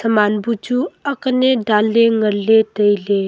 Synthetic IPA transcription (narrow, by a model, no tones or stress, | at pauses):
səmanbud͡ʒuəkneɖalːeŋəɾlet̪əjle